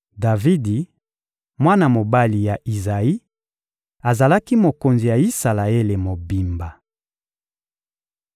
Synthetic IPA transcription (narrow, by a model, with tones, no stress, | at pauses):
da˨vi˦di˨ | mwa˦na˨mo˨ba˦li˨ja˨ʔi˨za˨i˦ | a˨za˨la˦ki˦mo˨ko˨nzi˨ja˨i˦sa˨la˨e˦le˨mo˨bi˨mba˨